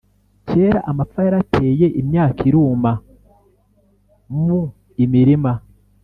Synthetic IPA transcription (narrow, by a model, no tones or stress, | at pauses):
ce̞ːɾaʔamafaaɾatʰe̞ːje̞ʔimɲaːkiɾuːma | mu | imiɾima